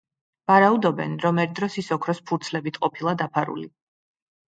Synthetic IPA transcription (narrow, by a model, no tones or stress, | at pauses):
vaɾaud̪ɔbɛ̰nɾɔmɛɾd̪ɾɔsisɔkʰɾɔspʰuɾt̪sʰlɛbit̪ʰqʼɔpʰilˠad̪apʰaɾṵli